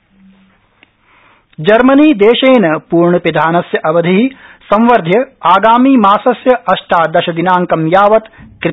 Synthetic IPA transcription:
d͡ʒɐɾmɐniːd̪eːʃeːnɐpuːɾɳɐpid̪ʱaːnɐsjɐʔɐʋɐd̪ʱiɦisɐ̃mʋɐɾd̪ʱjɐaːɡaːmiːmaːsɐsjɐɐʃʈʰaːd̪ɐʃɐd̪inaːŋkɐmjaːʋɐt̪kɾɪ

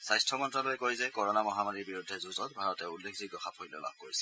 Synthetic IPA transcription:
sajstʰɔmɔntɹalojkojzɛkɔɹɔnamɔɦamaɹiɹbiɹudʱːɛzuzɔt̚bʱaɹɔtɛulːekʰzik̚dɔxapʰojlɛ̰la̰b̚koɹisɛ̥

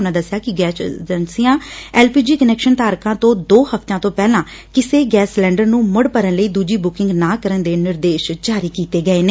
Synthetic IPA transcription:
naːd̪əsːjaːkɪɡɛːsd͡ʒənsijãːɛːlpiːd͡ʒiːkənɛːkʃənt̪aːɾkãːt̪õːd̪oːhəpʰt̪ãːt̪õːpɛːlãː | kɪseːɡɛːslɛ̃ːɳɖəɾnũːmʊɽpəɾənləiːd̪uːd͡ʒiːbʊkɪ̃ŋɡnãːkəɾənd̪eːnɪɾd̪eːʃd͡ʒaːɾiːkiːt̪eːɡəeːneː

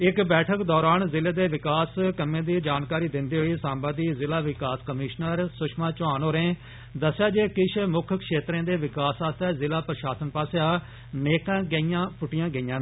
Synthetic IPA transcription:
ɪkbɛːʈʰəkd̪ɔːɾaːnzɪleːd̪eːʋɪkaːskəmẽːd̪iːd͡ʒaːnkaːɾiːd̪ɪnd̪iːɦoːiːsãːmbãːd̪iːzɪlaːʋɪkaːskəmɪːʃnəɾsʊʃmãːt͡ʃʊaːnoːɾẽː | d̪əsːjaːd͡ʒeːkɪʃʰmʊkʰkʃeːt̪ɾẽːd̪eːʋɪkaːsaːst̪ɛːzɪlaːpɾəʃaːsənpaːsjaː | neːkãːɡəijãːpʊʈɪjãːɡəijãː

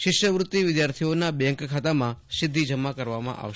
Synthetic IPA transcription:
ʃɪʃjəʋɾʊt̪ːiʋɪd̪jaɾt̪ʰijonabɛ̃ŋkkʰat̪amãʃɪd̪ʱːid͡ʒəmːakəɾʋamã̰ʔa̰ʋʃ

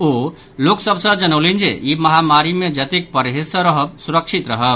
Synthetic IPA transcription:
o | loksəbʱsə̃d͡ʒənəlind͡ʒḛiməɦamaɾimẽd͡ʒət̪ik̚pəɾɦesə̃ɾəɦəbsuɾəkt͡ʃʰit̪ɾəɦəb

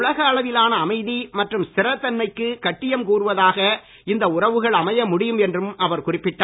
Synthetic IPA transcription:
ʊɭɐɣɐːɭɐʋɪlaːnɐːmɐɪðimɐʈrɯmsɪɾɐt̪ːɐnmɐɪkːɯkɐʈːɪjɐmkuːrɯʋɐðaːɣɐ | ɪnd̪ɐʊrɐʋɯɣɐɭɐmɐjɐmʊɽɪjɯmɛndrɯmɐʋɐɾkʊrɪpːɪʈːaː

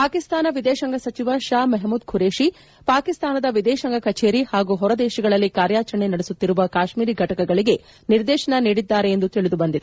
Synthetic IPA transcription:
paːkist̪aːnɐʋid̪ɛːʃɐŋɡɐsɐt͡ʃiʋɐʃaːmɐɦmuːd̪kʰuɾeːʃi | paːkist̪aːnɐd̪ɐʋid̪ɛːʃɐŋɡʱɐkɐt͡ʃeːɾihaːɡuːɦɔɾɐd̪eːʃɐɡɐɭɐlːikaːɾjaːt͡ʃɐɳenɐɽesut̪ːiɾuʋɐkaːʃmiːɾiɡʱɐʈɐkɐɡɐɭiɡe̞ | niɾd̪ɛːʃɐɳɐniːɽid̪ːaːɾeːnd̪ut̪iɭid̪ubɐnd̪id̪e

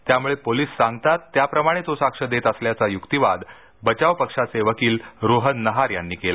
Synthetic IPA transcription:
t̪jamuɭepoliːsːãŋɡt̪at̪ːjapɾəmaɽ̃et̪osakʂəd̪et̪əsljat͡sajukt̪iʋad̪ | bət͡ɕaʋpəkʂaseʋəkiːlɾoɦənːəɦaɾjanːiːkela

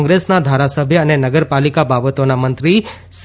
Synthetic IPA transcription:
ŋɡɾesnad̪ʱaɾasəbʱjəːnenəɡəɾpalikababət̪onamənt̪ɾi | s

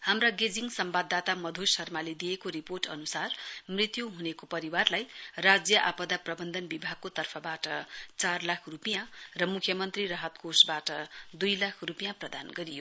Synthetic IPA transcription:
hamraɡed͡ziŋsʌmbad̪ːat̪amʌd̪ʱosʌrmaled̪ijekoɾiporʈʌnusarmrit̪juɦunekopʌɾiwarlajrad͡zjʌʔapʌd̪aprʌbʌnd̪ʌnbibʱaɡ̚kot̪ʌrpʰʌbaʈʌt͡sarlakʰrupijãrʌmukʰjʌmʌnt̪rirʌɦʌt̪kʰosbaʈʌd̪ujlakʰrupijãprʌd̪anɡʌɾijo

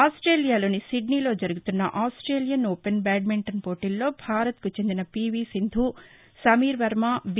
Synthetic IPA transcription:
aːsʈɾeːlijaːlo̞ːnisiɖniːlo̞ːd͡ʒɐɾuɡut̪unːɐ̰ʔaːsʈɾe̞ːlijɐnoːpenbɛːɖ̚miɳʈɐnpo̞ːʈilːo̞ːbʱaːɾɐt̪̚kut͡ʃe̞nd̪inɐpiːʋiːsind̪ʱu | sɐmiːɾʋɐɾmaːb

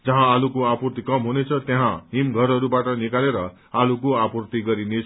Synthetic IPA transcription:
d͡zʌɦãalukoapurt̪ikʌmɦunet͡sʰʌt̪jaɦãɦimɡʱʌɾʌɾubaʈʌnikaleɾʌ | alukoapurt̪iɡʌɾinet͡sʰ

